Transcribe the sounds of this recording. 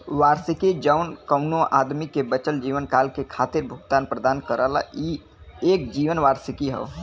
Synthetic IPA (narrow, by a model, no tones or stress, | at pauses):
ʋaːɾsɪkid͡ʒəʊnkəʊnõʔaːd̪mikebət͡ʃəld͡ʒiːʋənkaːlkekʰaːt̪ɪɾbʱʊɡt̪aːnpɾəd̪aːnkəɾəla̰i | eːk̚d͡ʒiːʋənʋaːɾsɪkiɦə̰ː